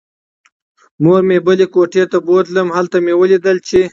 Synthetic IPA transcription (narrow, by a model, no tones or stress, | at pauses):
moɾmebəlekoʈet̪abod̪ləmhalt̪amewəlid̪əlt͡ʃʰe